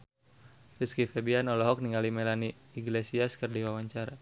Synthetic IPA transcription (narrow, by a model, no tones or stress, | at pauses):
riskifɛbianɔlɔɦɔk̚niŋalimelaniːɡlesiaskərdiwawaɲt͡ʃaɾa